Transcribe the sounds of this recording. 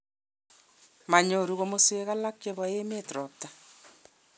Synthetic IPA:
ma˨ɲo˨ɾu˨ɣo˨mo˦swe˨ɣa˦la˦kt͡ʃe˦βɔ˨e˦me˦tɾɔ˨ta˨

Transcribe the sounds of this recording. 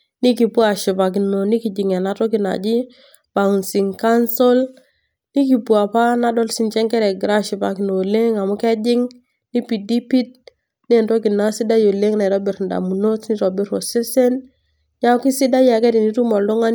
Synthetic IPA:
ni˦ki˨pu˦a˨ʃi˨pa˨k̬i˨no˨ni˦ki˨d͡ʒi˨ŋɛ˨na˨tɔ˦ki˨na̰˨d͡ʒi˦ | ba˨nsi˨ŋka˦nso˦l | ni˦ki˨pu˨a˨pa˦na˦dɔ˦lsi˨nt͡ʃɛ˦ŋkɛ˦ɾɛ˨ɡɾa˦ʃi˨ba̰˨ki˨no˨le˦ŋa˨mu˦kɛ˦d͡ʒɪ˦ŋ | ni˦pi˨di˦pi˦t̚ | n˦ɛ˦˨nto˦ki˨na˦si˦da˦jo˨le˦ŋna˨ɾɔ˦bi˨ɾnda̰˨mu˨no˦tni˦ɾɔ˨bi˦ɾo˨se˦se˦n | ɲa˦ki˦si˦da˦ja˨kɛ˦di˨ni˦tu˦mɔ˨ldu˦ŋa˦n

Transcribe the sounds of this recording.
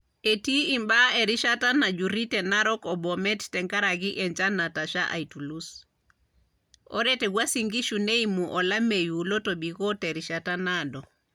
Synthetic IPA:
e˨ti˦imba˦ɛ˨ɾi˦ʃata˦na˨d͡ʒu˨ɾi˦tɛna˦ɾɔkɔ˨bɔmɛ˦ttɛ˨ŋka˦ɾaɣiʔɛɲt͡ʃa˦na˨ta˨ʃaʔa̰˨itu˨lus | ɔ̰˦ɾɛtɛɣwa˦siŋɡi˦ʃune˦imuʔɔ˨la˦me˨julɔ˦tɔbiɣɔ˦tɛ˨ɾiʃatanadɔ˨

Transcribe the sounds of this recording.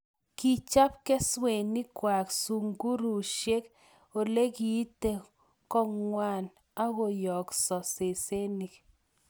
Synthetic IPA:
ki˨t͡ʃa˦p̚kɛ˦swe˨ni˦kwa˨ksu˨ŋɡu˦ɾu˨ʃje˦k | o˨le˦ki˨˦t̪e˨ | kɔ˦˨ŋwa˦˨n | a˦ɣo˨jɔ˨ksɔ˨se˨se˦ni˨k

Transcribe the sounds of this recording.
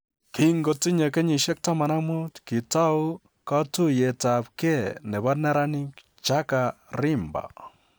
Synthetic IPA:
kɪ˦ŋɡo˨ti˦ɲa˨ke˦ɲi˨ʃɛ˦k̚ta˦ma˨na˦mu˦tki˨ta˦w | ka˦tu˦je˨ta˨pke˦nɛ˨ba˦nɛ˦ɾa˦ni˦k | t͡ʃa˦ka˨ɾɪ˦mba̰˨

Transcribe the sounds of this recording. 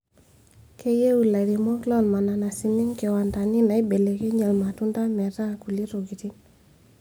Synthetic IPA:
ke˦je˦u˨la˨ɾi˨mɔ˦klɔ˦˨lma˨na˨na˨si˨ni˦ŋke˨wa˨nda˨ni˦na˨i˦be˨le˨ke˦ɲa˨lma˨tu˦nda˦mɛ˨ta˦˨ku˨li˦ɾo˨ɡi˨ti˦n

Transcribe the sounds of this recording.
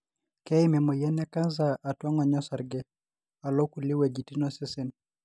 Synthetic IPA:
kɛ˦i˦mɛ˨mo˨jɛ˦nɛ˦ka˦nzaʔːtwa˦ŋɔ˨ɲɔ˦sa˨ɾɡɛ˦ | a˨lo˦ku˨lɪ˦wɛ˨d͡ʒi˨ti˦nɔ˦sɪ˦sɪ˦n

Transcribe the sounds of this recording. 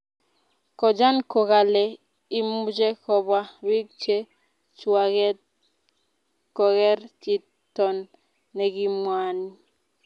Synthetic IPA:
kɔ˨d͡ʒa˦nkɔ˨ka˨le˨ | i˦mu˦d͡ʒɛ˦kɔ˦bwa˦wi˦k̚t͡ʃe˦ | t͡ʃwa˨ɣɛ | kɔ˨ɣɛ˦ɾt͡ʃi˦ | tɔ˨nː | ɛ˨ɡi˦mwa˦ni˦

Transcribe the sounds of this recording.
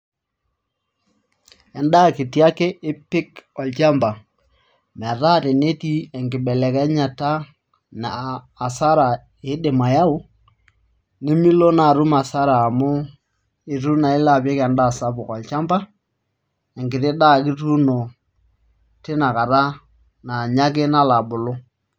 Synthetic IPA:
ɛ˨nda˦˨kɪ˨tja˦kɪ˦ɪ˦pɪ˦kɔ˨lt͡ʃa˦mba˨ | m˨a˨ta˦tɪ˨ne˦ti˦ɛ˨ŋɡɪ˨ɓɛ˨lɛ˨kɛ˦ɲa˨ta˦ | naː˨ | sa˦ɾa˨ | ɪ˨˦dɪ˨ma˨ja˦ʊ˦ | ne˦mi˦lo˦na˨ɾu˦ma˨sa˦ɾaː˨mʊ˦ | ɪ˨tu˦na˨ɪ˦la˨pɛ˦ka˨nda˦˨sa˦bʊ˨kɔ˨lt͡ʃa˦mba˦ | ɛ˨ŋɡɪ˨tɪ˦da˦˨kɪ˦tu˦no˨ | tɪ˦na˨ka˨ɾa˦ | na˨ɲa˦k̬ɪ˦na˦la˨bʊ˨lʊ˦

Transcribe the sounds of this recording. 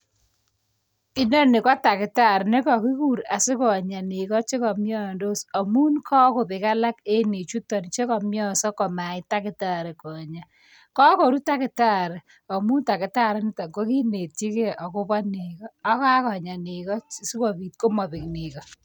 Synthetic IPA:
ɪ˦nɔ˦nɪ˨kɔ˦ta˨kɪ˨ta˦˨ɾne˦kɔ˨ki˦ku˦˨ɾa˨sɪ˦kɔ˨ɲa˨ni˨kɔ˦t͡ʃe˦kɔ˨mjɔ˦˨ndo˦sɔ˨mu˦nkʰɔ˦ko˨pɪ˨ka˦la˦ke˦ne˨t͡ʃu˦tːɔ˨n˨t͡ʃe˦kɔ˨mjɔ˦sɔ˦kɔ˨ma˨ɪ˦ta˦kɪ˨ta˦˨ɾe˨kɔ˨ɲa˨ | kɔ˦kɔ˨ɾu˦ta˦kɪ˨ta˦˨ɾ | ɔ˨mu˦nta˨kɪ˨ta˦˨ɾɪ˦n˦ta˨ŋɡo˦ki˦ne˨t̚t͡ʃi˦ke˦ʔɔ˨kʊ˦pɔ˦ni˨kɔː˦ka˦kɔ˨ɲa˨ni˨kɔ˦sɪ˦kɔ˨pi˨t̚ko˦mɔ˨pɪ˨kni˨kɔ˨

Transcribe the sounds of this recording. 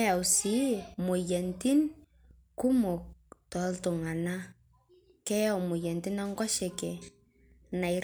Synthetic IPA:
ja˨u˨si˨˦mo˨jɛ˨nti˦n | ku˦mɔ˨k̚tɔ˨˦ltʊ˨ŋa˨na˦ | kɛ˦ja˦wmʊ˨jɛ˨ntɪ˦na˦ŋɡwa˦ʃɛ˨kɛ˨ | na˨i˨ɾ

